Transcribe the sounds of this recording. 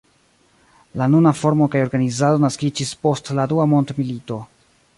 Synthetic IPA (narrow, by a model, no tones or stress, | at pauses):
lanunafo̞ɾmo̞kajo̞ɾɡanizado̞naskid͡ʒispo̞stladuamo̞ndmilito̞